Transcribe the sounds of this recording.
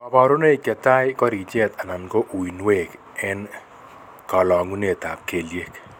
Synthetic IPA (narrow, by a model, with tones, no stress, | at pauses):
a˨ba˨ɾo˦ne˦i˨kɛ˨t̪a˦jkɔ˦ɾi˨t͡ʃɛ˦t̪a˨na˨nɡo˦ʔu˨i˨nwe˨k | ɛ˦n | kɔ˨lɔ˨ŋɡu˦ne˨t̪a̰˨p̚ke˨lje˦k